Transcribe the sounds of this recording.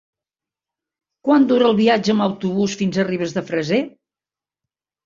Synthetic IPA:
kwand̪uɾəlˠβiad͡ʒəːmbəwt̪uβusfinzəriβ̞əzðəfɾəze

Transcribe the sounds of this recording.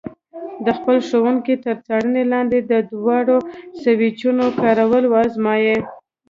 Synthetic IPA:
d̪əxpəlʂowəŋkit̪əɾt͡saɽənelɑnd̪ed̪əd̪wɑɽosawit͡ʃunokɑɾawəlwɑzmɑje

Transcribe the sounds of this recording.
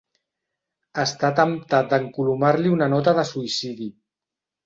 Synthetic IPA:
əst̪at̪əmt̪at̪̚d̪əŋkulumaɾliunənɔt̪əðəsuisiði

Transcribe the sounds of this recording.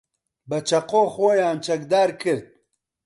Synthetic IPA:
bɐt͡ʃɐqoxoːjaːmt͡ʃɐkd̪aːɾkʰəɾt̪̚

